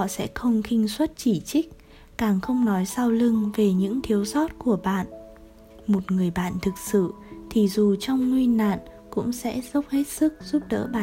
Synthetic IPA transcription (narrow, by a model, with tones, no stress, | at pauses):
hɔ̰˧˨sɛ̰˧˥xə˧wŋ͡mxï˧ŋ̟swə˦˥t̚t͡ɕi˧˩t͡ɕï˦˥k̚ | kaː˨˩ŋxə˧wŋ͡mnɔ˨˦jsaː˧wlɨ˧ŋve˨˩ɲɨ̰˧˥ŋt̪ʰi˨˦əwsɔ˦˥t̚ku˧˩əɓa̰ː˧˨n | mo˨˩t̚ŋɨ˨˩əjɓa̰ː˧˨nt̪ʰɨ˨˩k̚sɨ̰˧˨ | t̪ʰi˨˩zu˨˩t͡ɕɔ˧wŋ͡mŋwi˧nːa̰ː˧˨n | kʊ̰˧˥ŋ͡msɛ̰˧˥zə˦˥wp̚he˦˥t̚sɨ˦˥k̚z̥u˦˥p̚ɗə̰ː˧˥ɓa˧˨